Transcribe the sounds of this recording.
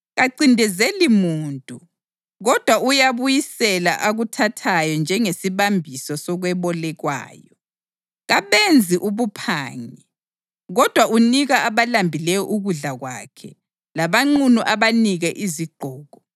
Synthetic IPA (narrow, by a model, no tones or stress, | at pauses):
ɣaǀindʱɛzelimuntʼu | ɣɔd̥ʱwaujaβujisɛla̰ʔaɣutʰatʰajɔnd͡ʒʱɛŋesiβambʱisɔsɔɣwɛβɔlɛɣwa̰ːjɔ | ɣaβend͡zʱiʔuβupʰa̰ːŋɛ | ɣɔd̥ʱwaʔuniɣaːβalambʱilɛjɔʔuɣuɮaɣwa̰kʰɛ̰ | laβaŋ͡ǃunuʔaβaniɣɛʔiziɡ͡ǃ̥ʱɔːɣɔ